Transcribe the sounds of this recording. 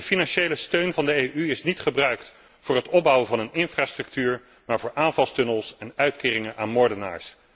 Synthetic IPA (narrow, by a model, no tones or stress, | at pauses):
dəfinɑnʃejləstøɥnvɑndəejʔyɪsnitχəbrœɥkt | fʊːɹɦətɔb̚ʌwəvɑnənɪnfraːstrɵk̚tyːɹ | maːɹvʊːɹʔaːnvɑlˠstɵnəlˠsɛnœɥtkɪːrɪŋənʔaːnmɔɹdəna̰ːɹs